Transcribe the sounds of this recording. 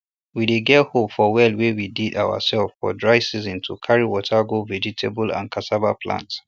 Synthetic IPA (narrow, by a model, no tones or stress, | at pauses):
wideɡɛthopfɔwɛlwewididawə̰sɛlffɔ̰dɹaɪsizĩntʰukʰaɹiwɔtʰəɡovɛd͡ʒitʰebəlã̰nkʰasabapʰlã̰nts